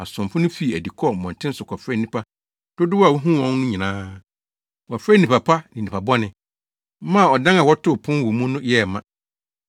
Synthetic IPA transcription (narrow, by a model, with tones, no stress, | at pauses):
a˨sʊ̃˨mpʊ̃˦nʊ̃˦fi˨æ˨di˨kʰɔ˦˨mɔ̃˨ntʰɪ̃˦n˦sʊ˨kʷʰɔ˨fɾɛ˦nĩ˦˨pʰa˦ | d̥ʊ˦dʊ˦wa˨wu˦ɦũ˦wɔ̃˦nnʊ̃˦ɲĩ˨nãː˦ | wɔ˨fɾe˦nĩ˨pa˨pʰa˦nɪ̃˨nĩ˨pʰa˨bɔ˦nɪ̃˨˦ | mã˦˨ɔ˨dã˦na˨wɔ˦tʰʊ˦pʰʊ̃˦n˦wʊ˨mũ˦nʊ̃˦jɛ˦˨mã˨